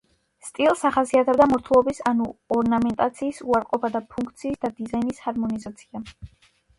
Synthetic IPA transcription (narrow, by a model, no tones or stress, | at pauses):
st̪ʼilˠsaχasiat̪ʰɛbd̪amɔɾt̪ʰulˠɔbisanuɔɾnamɛnt̪ʼat̪sʰiːsuaɾqʼɔpʰad̪apʰuŋkʰt̪sʰiːsd̪ad̪izajnishaɾmɔnizat̪sʰia